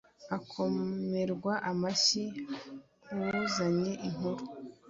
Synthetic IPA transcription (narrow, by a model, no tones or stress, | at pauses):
akʰo̞me̞ɾɡwaʔamaɕi | uuzaɲe̞ʔiŋuɾu